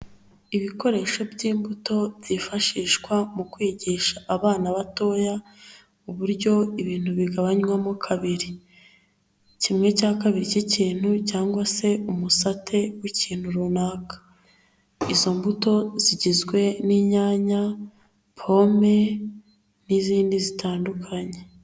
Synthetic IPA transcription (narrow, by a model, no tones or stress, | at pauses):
iβiko̞ɾe̞ʃo̞bɟiːmbuto̞bɟifaʃiːʃkwamukwiːɟiːʃaʔːβaːnaβato̞ːja | uβuɾɟo̞iβiːn̥huβiɡaβaɲwamokʰaβiɾi | cimŋe̞caːkaβiɾiciciːn̥hucaːŋɡwase̞umusatʰe̞wiciːn̥huɾunaːkḁ | izo̞mbuto̞ziɟizɡwe̞niɲaːɲa | pʰo̞me̞ | niziːndizitʰaːndukʰaɲe